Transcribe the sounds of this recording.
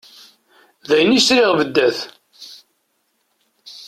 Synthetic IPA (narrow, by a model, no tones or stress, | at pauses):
ðæjnisɾiʁvəd̪ːæθ